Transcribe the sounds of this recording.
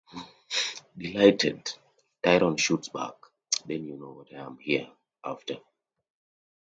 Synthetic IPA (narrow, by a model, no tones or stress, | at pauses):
dilaɪtʰɛd | taɪɾɔ̃nʃutsba̰k | dɛ̃njunowɔtajã̰mhiə | ʔaftʰə